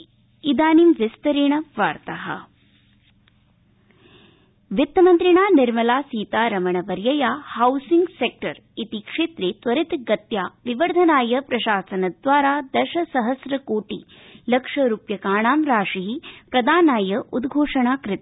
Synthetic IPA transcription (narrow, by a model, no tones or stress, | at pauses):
id̪aːnimʋɪst̪ɐɾeːɳɐʋaːɾt̪ɐɦɐ̰̆ | ʋit̪ːɐmɐnt̪ɾiɳaːnɪɾmɐlaːsiːt̪aːɾɐmɐɳɐʋɐɾjɐjaːhɐwsiŋɡsek̚ʈɐɾ | it̪ikʂeːt̪ɾeːt̪ʋɐɾit̪ɡɐt̪jaːʋiʋɐɾd̪ʱɐnaːjɐpɾɐʃaːsɐnɐd̪ʋaːɾaːd̪ɐʃɐsɐɦɐsɾɐkoːʈi | lɐkʂɐɾuːpjɐkaːɳaːmɾaːʂiɦipɾɐd̪aːnaːjɐʔud̪ɡʱoːʂɐɳaːkɾɪt̪